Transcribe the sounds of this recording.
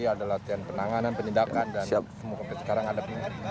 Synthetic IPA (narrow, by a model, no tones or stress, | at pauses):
iadalat̪ianpənaŋananpənindakandansia | əmukapəsə̥kaɾaŋadap̚i